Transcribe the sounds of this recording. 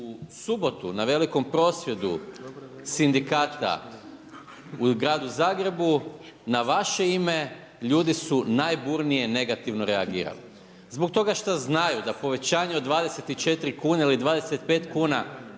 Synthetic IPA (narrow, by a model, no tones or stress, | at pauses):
usubo̞t̪unaʋe̞liko̞mpɾo̞sʋje̞d̪ṵ | sind̪ikaːt̪a̰ | uɡɾaːd̪uzaːɡɾe̞bunaʋaʃe̞ime̞ | ʎuːd̪isunajbuːɾnije̞ne̞ɡat̪iʋno̞ɾe̞aɡḭːɾa̰lḭ | zbok̚t̪o̞ɡaʃt̪aznajud̪apo̞ʋe̞t͡ɕaːɲeod̪ʋaːd̪e̞se̞t̪it͡ʃe̞t̪ɾikuːnailid̪ʋaːd̪e̞se̞t̪̚pe̞ːt̪kuːna